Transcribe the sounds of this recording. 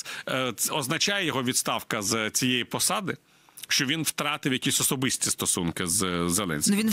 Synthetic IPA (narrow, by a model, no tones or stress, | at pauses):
ɔznɐt͡ʃɑjɛjɔɦɔʋʲid̪st̪ɑwkɐzt͡sʲijɛjipɔsɑd̪ɪ | ʃt͡ʃɔʋʲinwt̪ɾɑt̪ɪwjɐkʲisʲɔsɔbɪsʲtʲist̪ɔsunkɪzzːelˠɛ̰nʲsʲnʋʲin